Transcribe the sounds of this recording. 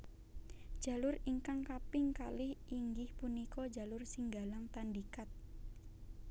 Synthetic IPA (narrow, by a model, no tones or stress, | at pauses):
d̥ʒ̥ä̤lʊriŋkaŋkapɪŋkalɪhiŋɡɪhpunikɔd͡ʒalʊrsiŋɡalaŋt̪andikat̪̚